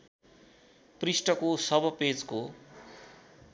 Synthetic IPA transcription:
prisʈʌkosʌbʌped͡zko

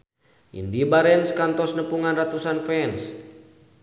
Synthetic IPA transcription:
ʔḭndibaɾɛnskant̪ɔsnəpuŋanrat̪usanfɛns

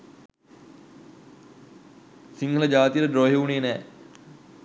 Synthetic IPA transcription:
siŋɡʱələd͡ʒaːt̪ijəɾəɖɾoːɦeuneːnɛː

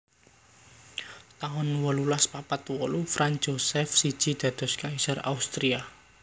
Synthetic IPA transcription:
t̪aɔnwɔlulaspapat̪wɔlufɾand͡ʒosɛfsi̥ʒ̥i̤d̪̥ä̤d̪̥ɔ̤skaisara̰ust̪ɾia

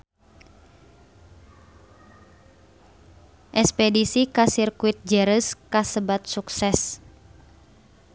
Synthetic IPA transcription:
ʔɛspɛdisikasirkuit̪̚d͡ʒəɾəskasəbat̪̚suksɛs

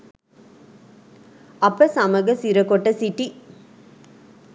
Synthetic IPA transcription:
ɐpːɐsɐmɐɣɐsɪɾɐkːɔʈːɐsɪʈːi

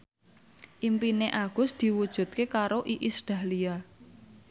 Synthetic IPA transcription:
ʔimpineʔaɡ̥ʊ̤sd̪̥i̤wud̥ʒ̥ṳt̪̚kekaɾoʔiʔisɖ̪̥a̤lia

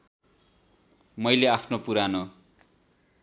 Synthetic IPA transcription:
mʌjleapʰnopuɾano

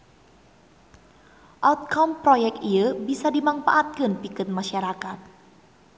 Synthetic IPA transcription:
ʔawt̪̚kɔmpɾojɛk̪̚iəbisadimaŋfa̰ʔat̪̚kɨnpikɨt̪̚maʃaɾakat̪̚

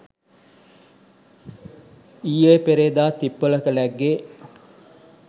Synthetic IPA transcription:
iːepeɾeːd̪aːt̪ipːoləkəlæɡːe

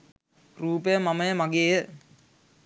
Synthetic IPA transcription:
ruːpɐjɐmɐmɐjɐmɐɡeːjə

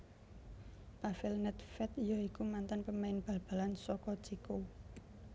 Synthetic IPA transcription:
pafɪlnɛt̪fɛt̪ijɔikumant̪anpəmaɪnb̥a̤lb̥ä̤lansɔkɔ̥t͡ʃiko

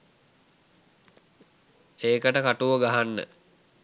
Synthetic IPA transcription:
eːkəʈəkaʈuʋəɡaɦanːə̰

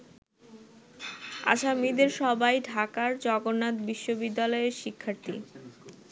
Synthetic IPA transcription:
a̰ʃamid̪eɾʃɔbajɖʱakaɾd͡ʑɔɡonːat̪biʃːobid̪ːalɔeɾʃikʰːaɾt̪ḭ

